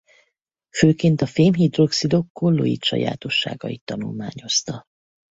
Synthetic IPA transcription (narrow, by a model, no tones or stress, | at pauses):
føːkeːnt̪ɒfeːmɦid̪ro̞ksid̪o̞kːolːo̰ḭt̪ʃɒ̰ja̰ːt̪o̞ʃːa̰ːɡɒjit̪ːɒnulmaːɲo̞st̪ɒ